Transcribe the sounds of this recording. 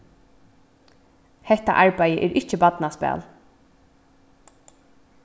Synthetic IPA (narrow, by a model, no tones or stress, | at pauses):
hɛht̪a̰ʔaɹpajəʔɛːɹʔɪht͡ʃɪpat̪naspæ̰ːl